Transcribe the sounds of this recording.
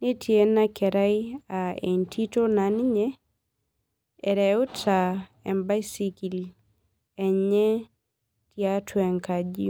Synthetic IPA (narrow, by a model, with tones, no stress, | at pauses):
ni˦tʰje˦na˦kɛ˨ɾa˦ia˨ḛ˨ntʰi˦to˦na˨nɲɛ˦ | ɛ˨ɾɛ˨ʊ˦ta | ɛ̰˨mba˦siki˨l | ɛ˨ɲɛ˦ | tia˦tʰwɛ˨ŋka˨d͡ʒi˦